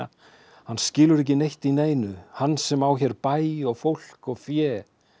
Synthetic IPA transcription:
a | hanːscɪːlʏɾɛhc̬ɪnejht̪ineːjnʏhanːsɛmawçɛɾpaːjɔɣfowl̥kɔɣfjɛː

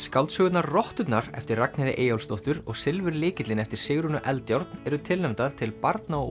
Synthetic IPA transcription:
skawlt̪sœːɣʏt̪narrɔht̪ʏt̪naɾɛ̰ft̪ɪrraknɪðɪ̰ʔeːjawlst̪owht̪ʏɾɔɣsɪlvʏɾlɪːcɪt̪lɪnɛft̪ɪɾ̥sɪɣɾʏnʏʔɛlt̪jowɾt̪nɛɾʏt̪ʰɪlnɛmt̪aðt̪ʰɪlpaɾt̪naɔ

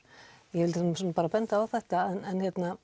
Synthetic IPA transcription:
jɛvɪlt̪ɛnsɔnapaːɾapɛnt̪aaðθɛht̪aɛnɛnçjɛt̪na

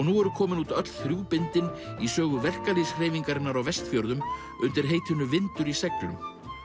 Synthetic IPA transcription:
ɔɣnuɛɾʏkʰɔːmɪnuːt̪œt̪l̥θɾjuːpɪnt̪ɪnisœːɣʏvɛr̥kalisr̥eːjviŋkaɾɪnːaɾawvɛst̪fjɔwɾðʏm | ʏnt̪ɪɾ̥ɦeːjt̪ʰʏnːʏvɪnt̪ʏɾisɛklʏ̰m

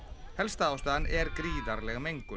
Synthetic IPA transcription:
hɛlst̪aawst̪aðanʔɛɾkɾiːðaɾlɛɣmejŋkʏ

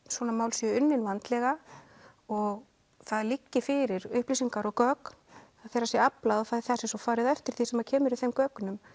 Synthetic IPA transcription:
swɔːnamaːwlsjɛʏnːɪnvant̪lɛɣa | ɔɣ | θaðlicːɪfɪɾɪɾʏhpliːsiŋkaɾɔkœːknaðθɛjɾasjɛaplaðɔfaθɛsɪsɔfaːɾɪðɛft̪ɪɾ̥θisɛmacʰɛːmʏɾɪθejmkœːkʏnʏm

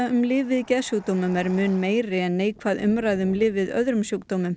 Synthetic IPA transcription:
ʏmlɪːvːɪðcɛðsjuːk̚t̪owmʏmɛɾmʏːnmeːjrɪɛnːeːjkʰvaðʏ̰mɾajðʏmlɪːvɪðœ̰ðɾʏmsjowkt̪oːmʏm

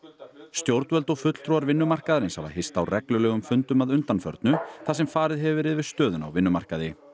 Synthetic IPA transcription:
st̪jowɾt̪vœlt̪ɔɣfʏt̪l̥t̪ʰɾuaɾvɪnːʏmar̥kaðaɾɪnshava̰hɪst̪awrɛklʏlœːɣʏmfʏnt̪ʏmaðʏnt̪anfœ̰ɾt̪nʏθasɛmfaːɾɪðɦɛvvɛɾɪðvɪðst̪œːðʏna̰wvɪnːʏmar̥kaðɪ

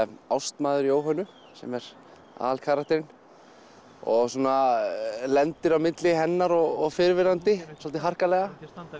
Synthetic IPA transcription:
awst̪maːðʏɾioːwɦanːʏ | sɛ̰mɛɾ̥ | a̰ːðalkʰaːɾakt̪ʰɛɾɪn | ɔɣsuːna | lɛnt̪ɪɾawmɪt̪lɪɦɛnːaɾɔɣɔɣfɪɾvɪnant̪ɪsɔlt̪ɪɦar̥kalɛɣa

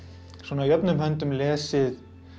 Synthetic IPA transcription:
swɔːnajœpnʏmɦœnt̪ʏmlɛːsɪð

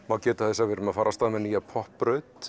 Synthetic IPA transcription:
mawcɛːt̪ḁθɛsːavɪɾʏmaðfaːɾast̪aːðmɛnijapʰɔhpɾœɥt̪

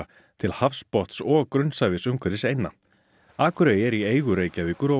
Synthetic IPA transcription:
t̪ʰɪlhafspɔht̪sɔkɾʏnsaːjvɪsʏmkʰvɛɾðɪsejnːa | aːkʏɾejɛɾieːjɣʏɾeːjcaviːkʏɾɔ

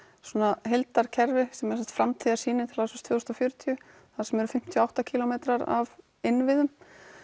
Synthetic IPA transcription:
sɔːnaɦejlt̪aɾ̥cʰɛɾvɪsɛmɛɾ̥sɛ̥t̪fɾamt̪ʰiːðaɾsiːnɪnt̪ʰɪlhasɛst̪ʰvœːst̪ɔfjœɾt̪ʰijʏ | θaðsɛmɛɾʏfɪm̥t̪ʰjɔawht̪acʰiːlɔmeːt̪ɾaɾa̰v | ɪnvɪðʏm

